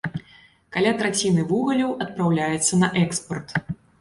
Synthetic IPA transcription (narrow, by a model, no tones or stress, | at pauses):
kalʲat̪ɾat͡sʲinɨvuɣɐlʲɐwʔɐt̪̚pɾawlʲajɛt̪sːɐnɐʔɛkspɐrt̪